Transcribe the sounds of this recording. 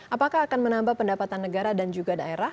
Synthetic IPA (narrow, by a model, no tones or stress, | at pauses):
ʔapakaɦːkanmənambahpəndapat̪anːəɡaɾadand͡ʒuɡadaeɾa